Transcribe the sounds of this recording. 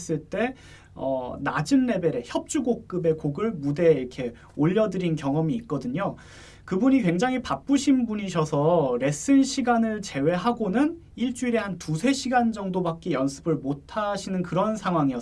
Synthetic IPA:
s͈ɯɭt͈e̞ | ʌ̰nad͡ʑɯnːe̞be̞ɾe̞çjʌp̚t͡ɕ͈uɡok̚k͈ɯbe̞koɡɯɭmude̞iɾkʰe̞ | oʎːʌdɯɾinkjʌŋʌmiːk̚k͈ʌdɯɲo | kɯbuɲikwe̞ŋd͡ʑaŋɦipap͈uɕʰinbuɲiɕʰʌsʰʌɾe̞s͈ʰɯnɕʰiɡanɯɭt͡ɕe̞we̞ɦaɡonɯn | iɭt͡ɕ͈uiɾe̞hantusʰe̞ɕʰiɡand͡ʑʌŋdobak͈ijʌnsʰɯ̥bɯɭmotʰaɕʰinɯnkɯɾʌnsʰaŋɦwaŋijʌ

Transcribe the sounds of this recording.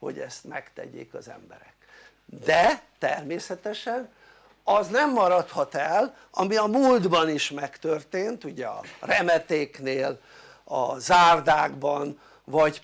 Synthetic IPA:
ho̞̰ɟɛ̰st̪mɛkt̪ɛ̰ɟḛːkɒzɛ̰mbɛ̰ɾɛk | d̪ɛt̪ɛrmeːsɛt̪ɛʃɛn | ɒznɛmːɒɾɒt̪hɒt̪ɛl | ɒmiɒmuld̪bɒniʃmɛkt̪ørt̪eːnt̪uɟɛɒrɛmɛt̪eːkneːl | ɒzaːrd̪aːɡbɒn | vɒɟ

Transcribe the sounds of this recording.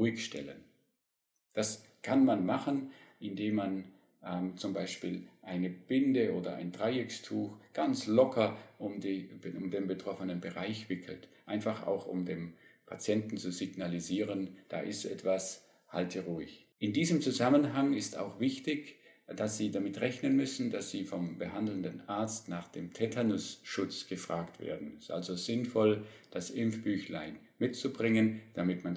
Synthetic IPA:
ʁuɪçʃtɛ̰lə̰n | d̥as | kʰanmanmaχənʔɪndeːmːan | ʔɛmt͡sʊmbaɪʃpiːlʔaɪnəb̥ɪndəʔoːdɐ̰ʔa̰ɪndʁaɪɪkstʰuːxɡ̥ant͡slɔkʰɐʔʊmdiːʊmdeːnbətʁ̥ɔfənənbəʁaɪçv̥ɪkʰl̩tʔaɪnfaχa̰ʊxʊ̰mdeːmpʰa̰t͡sjɛntn̩t͡suzɪɡ̥naliziːʁənd̥a̰ːʔɪstːʔɛ̰tv̥as | haltʰəʁuːɪç | ʔɪndiːzəmt͡suzamənɦaŋɪsta̰ʊxv̥ɪçtɪç | d̥asz̥iːdamɪtʁɛçnənmʏsn̩dasz̥iːfɔmbəhandl̩n̩dənʔaɐt͡stnaːχd̥eːmtʰɛtʰanʊsʃʊt͡sɡ̥əfʁ̥aːktv̥ḛːɐdn̩ɪstʔa̰lzozɪnfɔl | d̥asʔɪmfb̥yːçlaɪn | mɪtt͡subʁɪŋənd̥amɪtman

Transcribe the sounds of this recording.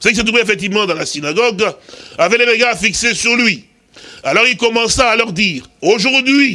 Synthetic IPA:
sekiset̪ʁuveefɛk̚t̪ivmɑ̃d̪ɑ̃lasinaɡɔɡavɛled̪eɡaːfiksesyʁlɥi | alɔʁilkɔmɑ̃saːlœʁd̪iːʁoʒuʁd̪ɥi

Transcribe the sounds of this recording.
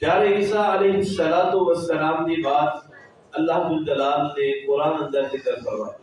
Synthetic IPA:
d͡ʑaːɾeiːsaːɐleːɦʊsːɐlaːt̪oʋɐsːɐlaːmd̪iːbaːt̪ | ɐlːaɦbʊld͡ʑɐlaːlt̪eːkʊɾãːnɐ̃nd̪əɾt̪ekɐɾpɐɾʋaː

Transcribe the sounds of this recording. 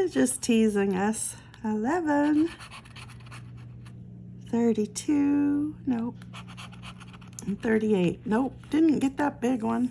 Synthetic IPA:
ɨzd͡ʒʌstʰizɪ̃ŋʌs | ɪlɛvə̃n | θɜ˞ɾitʰʉnoʊ | n̩θɜ˞ɾieɪt̚noʊd̥ɪdⁿn̩ɡ̥ɛt̪̚ðət̚b̥ɪɡwʌ̃n

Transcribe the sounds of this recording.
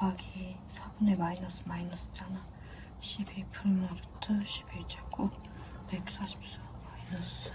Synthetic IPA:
paɡi | sʰabunemainʌs͈ɯmainʌs͈ɯd͡ʑana | ɕʰibepʰuɭmaɾɯtʰɯɕʰi̥bet͡ɕek͈ʰo | pe̞k̚s͈aɕʰi̥p̚s͈ʌ | mainʌs

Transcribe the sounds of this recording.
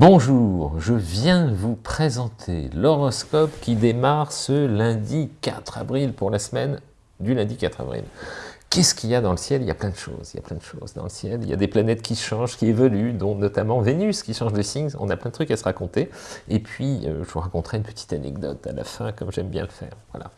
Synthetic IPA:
bɔ̃ʒuʁʒəvjɛ̃vupχezɑ̃t̪ʰḛlɔʁɔskɔpkʲid̪emaʁsəlɛ̃d̪ika̰t̪χa̰vʁilpuʁlasmɛn | d̪ylɛ̃d̪ikat̪χa̰vʁḭlkʲɛsə̥kʲiljad̪ɑ̃ləsjɛlilja̰plɛ̃d̪əʃo̰zilja̰plɛ̃d̪əʃo̰zd̪ɑ̰̃ləsjɛlilja̰d̪eplanɛt̪kʲiʃɑ̃ʒkʲievɔlyd̪ɔ̃nɔt̪amɑ̃venyskʲiʃɑ̃ʒd̪esiŋzɔ̰̃naplɛ̃d̪ət̪χykasəʁakɔ̃t̪eepʰɥiø̰ʒəvuʁakɔ̃t̪χɛynpə̥t̪ʰi̥t̪anɛ̰ɡd̪ɔ̰t̪a̰la̰fɛ̃kɔmʒɛmbjɛ̰̃ləfɛ̰ːʁvwa̰la̰

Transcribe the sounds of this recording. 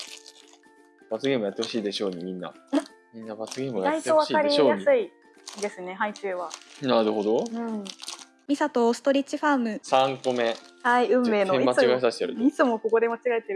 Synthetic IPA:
b̥at͡sɨɡʲe̞ːmojat̪ːeo̞ɕiːd̪e̞ɕo̞ːɲimʲĩnːa̰ | mʲĩnːabat͡sɨɡʲe̞ːmojait̪eoβakaɾʲioːjasɨi | d̪e̞sɨne̞ɦait͡ɕɨːβanaɾɯ̟ho̞d̪o̞ɯ̟̃ɴ | mʲisat̪oːsɨ̥t̪o̞ɾʲit͡ɕiɸaːmɯ̟sãŋko̞me̞haiɯ̟̃mːe̞ːnoẽimːaiɡasaɕi̥t̪eɾɯ̰it͡sɨmoko̞ko̞d̪e̞mat͡ɕiɡaet̪e

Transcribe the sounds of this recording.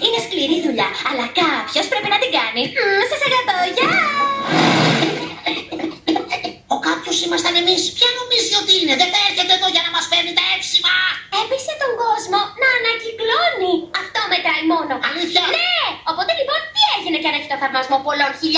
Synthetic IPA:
ine̞skliɾiðuʎɐɐlɐkɐpço̞spɾepinɐt̪iŋɡɐnisɐsɐɣɐt̪oʝɐ | okɐpçosimɐst̪ɐne̞mispçɐno̞mizit̪o̞t̪iine̞ðeθeɾçet̪eðoʝɐnɐmɐspenit̪ɐefsimɐepiset̪o̞ŋɡo̞zmo̞nɐːnɐcikloniɐft̪o̞met̪ɾɐimo̞no̞ɐlitɐneo̞po̞t̪elipo̞nt̪ieʝineceɐneçi̥t̪oefɐɾmɐzmo̞po̞lo̞nçiʎ

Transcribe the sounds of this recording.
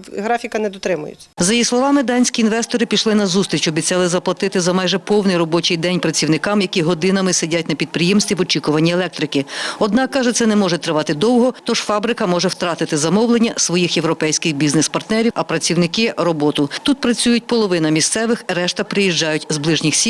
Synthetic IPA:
ɦɾɑfʲikɐnɛd̪ɔt̪ɾɪmʊ̰jʊ̰t͡sʲːɐzɐjislˠɔʋɑmɪd̪ɑnʲsʲkʲiːnʋɛst̪ɔɾɪpʲiʃlˠɪnɐzust̪ɾʲit͡ʃɔbʲit͡sʲːɑlˠɪzɐplˠɐt̪ɪt̪ɪzɐmɑjʒɛpɔwnɪjɾɔbɔt͡ʃɪjd̪ɛnʲpɾɐt͡sʲiwnɪkɑmjɐkʲiɦɔd̪ɪnɐmɪsedʲat̚ʲnɐpʲid̪̚pɾɪjɛmst̪ʲʋʲiʋɔt͡ʃikʊʋɐnʲːielˠɛk̚t̪ɾɪkɪɔd̪nɑkːɑʒɛt̪sɛnɛmɔʒɛt̪ɾɪʋɑt̪ɪd̪ɔwɦɔt̪ɔʒ̥fɑbɾɪkɐmɔʒɛwt̪ɾɑt̪ɪt̪ɪzɐmɔwlˠenʲːɐsʋɔjixjewɾɔpɛjsʲkɪxbʲiznɛspɐrt̪nɛɾʲiɐpɾɐt͡sʲiwnɪkɪɾɔbɔt̪ʊt̪ut̪̚pɾɐt͡sʲujʊt̚ʲpɔlˠɔʋɪnɐmʲist̪sɛʋɪxɾɛʃt̪ɐpɾɪjiʒd͡ʒɑjʊtʲzblˠɪʒnʲixsʲi

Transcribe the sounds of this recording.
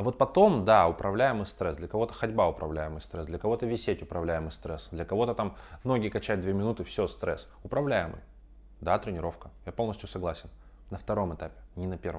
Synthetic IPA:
vo̞t̪̚pɐt̪o̞md̪aʊpɾʔɐvlʲæjɪmɨjst̪ɾɛsd̪lʲɐkɐvo̞t̪ə̥xɐdʲbaʊpɾɐ̰vlʲæjɪmɨjst̪ɾɛsd̪lʲɐkɐvo̞t̪əvʲɪsʲetʲʊpɾɐvlʲæjɪmɨjst̪ɾɛsd̪lʲɐkɐvo̞t̪ət̪amno̞ɡʲɪkɐt͡ɕæt̚ʲd̪vʲemʲɪnut̪ɨfsʲost̪ɾɛ̰s | ʊpɾɐvlʲæjɪmɨ̰j | d̪at̪ɾʲɪnʲɪɾo̞fkəjapo̞lˠnəsʲt̪ʲjʊsɐɡlˠasʲɪn | nəft̪ɐɾo̞mɨt̪apʲɪ̥nʲɪnɐpʲeɾvə

